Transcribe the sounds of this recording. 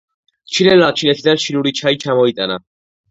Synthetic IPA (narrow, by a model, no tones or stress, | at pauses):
t͡ʃʰinɛllat͡ʃʰinɛt̪ʰid̪anʃinuɾit͡ʃʰait͡ʃʰamɔit̪ʼana